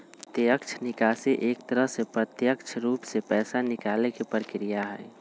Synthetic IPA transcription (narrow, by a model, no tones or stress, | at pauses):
t̪jəkt͡ʃʰnɪkaːseʔeːkt̪əɾəɦsepɾət̪jəkt͡ʃʰɾuːpsepɛːsanɪkaːlekepəɾkɾijaɦɛ̰ː